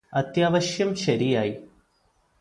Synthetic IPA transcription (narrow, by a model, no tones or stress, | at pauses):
ɐt̪jaːʋɐɕjɐmɕɐɾijaːji